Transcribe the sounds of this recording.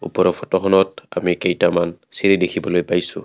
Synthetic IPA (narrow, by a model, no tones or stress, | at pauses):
upɔɾɔfɔtɔxɔnɔt̚a̰mikejtamansiɾidekʰibɔlojbajsu